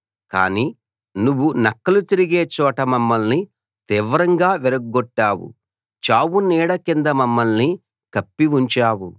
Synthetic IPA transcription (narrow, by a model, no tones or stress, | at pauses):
ka̰ːniː | nuʋːunɐkːɐlut̪iɾiɡe̞ːt͡ʃɔːʈɐmɐmːɐlni | t̪iːʋɐɾɐŋɡaːʋiɾɐɡɡɔʈːaːwṵ | t͡ʃaːwuniːɽɐkind̪ɐmɐmːɐlni | kɐpːiʋuɲt͡ʃaːwu